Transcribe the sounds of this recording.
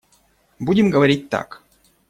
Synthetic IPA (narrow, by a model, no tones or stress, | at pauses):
budʲɪmɡəʋɐɾʲit̚ʲt̪a̰k